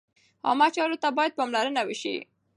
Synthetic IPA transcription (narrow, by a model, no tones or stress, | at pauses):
ɑ̰mat͡ʃɑɾot̪abɑjad̪̚pɑmlaɾənawɪʃḭ